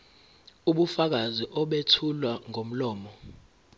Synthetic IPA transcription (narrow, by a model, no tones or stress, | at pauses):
uɓufak̬aziʔɔɓetʰulwaŋʱom̩lɔːmɔ